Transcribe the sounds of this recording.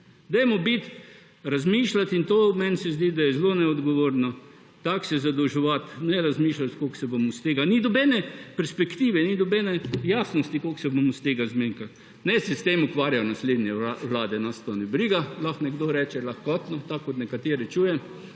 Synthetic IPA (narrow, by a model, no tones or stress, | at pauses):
d̪ɛjmɔbit̪ | ɾazmiːʃlat̪int̪oːmɛnsɛzd̪id̪ajɛzlonɛɔd̪ɡɔʋoːɾnɔ | t̪aksɛzad̪ɔwʒɛʋat̪nɛɾazmiːʃlat̪koksɛbomɔst̪eːɡanid̪ɔbɛːnɛpɛɾspɛkt̪iːʋɛnid̪ɔbɛnɛjaːsnɔst̪ikolksɛbomɔst̪eːɡazmiŋkal | nɛsɛst̪emukʋaːɾjajɔnasled̪nʲjɛʋlaːd̪ɛnast̪ɔnibɾiɡalaxnɛɡd̪oɾɛːt͡ʃɛlaxkɔt̪nɔt̪akːot̪nɛkat̪eːɾɛt͡ʃuːjɛ